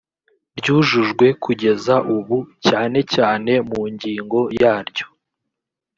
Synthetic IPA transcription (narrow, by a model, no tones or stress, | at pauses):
ɾɟuːʒuʒɡwe̞kʰuɟe̞zaʔuβucaːne̞caːne̞muɲɟiːŋɡo̞jaːɾɟo̞